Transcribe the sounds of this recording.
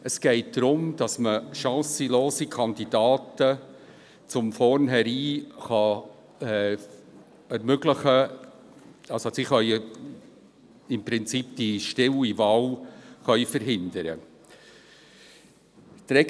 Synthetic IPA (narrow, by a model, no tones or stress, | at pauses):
əsɡ̥ɛɪt̚d̥ɾʊmd̥ɑsməʃɑ̃ːsəloːsikʰɑnd̪id̥ɑːtə | t͡sʊmfɔɾnɦɛɾiːχɑ | ɛ | ɛɾmøɡləχə | ɑlsosiχœʏ | ɪmpɾɪnt͡sip̚d̥iʃtɪwivɑːlχœʏfəɾɦɪnd̪əɾə̰ | tɾɛ